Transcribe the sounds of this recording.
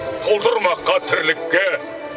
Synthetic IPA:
t̪ʰolˠd̪əɾmɑqːɑt̪ʰɪɾlɪkːe

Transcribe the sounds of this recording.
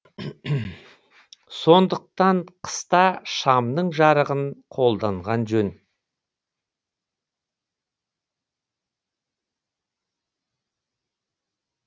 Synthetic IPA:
so̞nd̪əq̚t̪ɑɴqʰə̥st̪ɑʃɑmnəɴʒɑɾəʁənqʰo̞lˠd̪ɑɴʁɑnʒɵn

